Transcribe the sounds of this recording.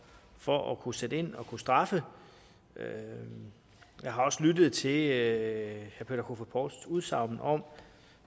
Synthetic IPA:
fɒʔɒkʰused̥əe̝n̰ɒ̽kʰusd̥ʁɑ̈fə | ø | jɑ̈ɪɦɑ̈ɒ̽slydð̞̩ˠt͡sʰe̝l | hæɐpʰe̝ːdɐkʰo̝fæpʰɒːd̥suð̞ˠsɑ̈ʊ̰mn̩ʔɒ̽m̰

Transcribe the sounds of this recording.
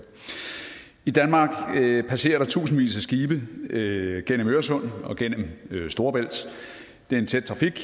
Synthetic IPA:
id̥ænmɑ̈ːɡ̥pʰæse̝̰ːɐɾ̥ɑ̈t͡sʰṵːsn̩ʋḭːsæsɡ̥iːb̥ə | ɡ̥en̰əmøːɐsɔ̽n̰ɒ̽ɡ̥en̰m̩sd̥o̝ːɐb̥el̰d̥ | d̥e̝ɐe̝nt͡sʰed̥̚t͡sʰʁɑ̈fiɡ̥

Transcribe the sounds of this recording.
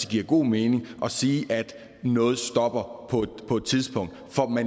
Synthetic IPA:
iɡ̥iɐ̰ɡ̥o̝̰ːme̝ːne̝ŋʔɒ̽siːʔæd̥ | nɔ̽ːð̞̩ˠsd̥ɒ̽b̥ɐpʰɒ̥̽pʰɒ̽e̝d̥t͡sʰiðˠsb̥ɔ̽ŋ̰d̥fɒmæn

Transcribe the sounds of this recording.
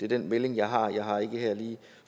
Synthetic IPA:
d̥e̝ɐd̥enmele̝ŋjɑ̈ɪɦɑ̈jɑ̈ɪɦɑ̈e̝ɡ̥əɦɛɐ̰liː | f

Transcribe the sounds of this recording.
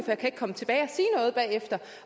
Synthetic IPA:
fɒjɑ̈kʰæeɡ̥kʰɒ̽mət͡sʰe̝b̥ɛːɪɒ̽siːnɔ̽ːð̞̩ˠb̥ɛ̰ːefd̥ɐ

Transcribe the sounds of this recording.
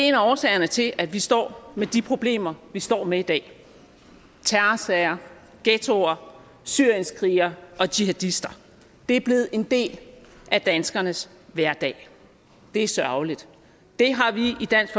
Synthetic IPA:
enɐɒːsɛ̰ɪɐnət͡sʰe̝lʔæd̥ʋisd̥ɒ̰ːmed̥ipʰʁo̝b̥le̝̰ːmɐʋisd̥ɒ̰ːmeid̥ɛ̰ː | t͡sʰæɐsɛɐ | ɡ̥et͡sʰo̝ɐ | syɐ̰jənskʰʁiːɐʔɒ̽d̥iɦæd̥isd̥ɐ | d̥e̝æɐb̥le̝ð̩ˠe̝nd̥e̝̰ːlʔæd̥ænsɡ̥ɐnəs | ʋæɐd̥ɛ̰ɪ | d̥e̝æɐsɶɐʊlid̥ | d̥e̝ɦɑ̈ʋiid̥æn̰sɡ̥

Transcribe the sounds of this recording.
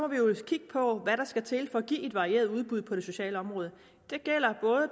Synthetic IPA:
mɒʋijo̝kʰiɡ̥əpʰɒ̽ʋæɾɑ̈sɡ̥æt͡sʰe̝lfɒ̽ːɡ̥ḭːe̝d̥ʋɑ̈ʁie̝ːɐð̞ˠuð̞ˠb̥uð̞ˠpʰɒ̽ɾ̥e̝so̝ɕɛ̰ːləɒ̽mʁɔ̽ːðˠə | d̥e̝ɡ̥el̰ɐb̥ɔ̽ːðˠə

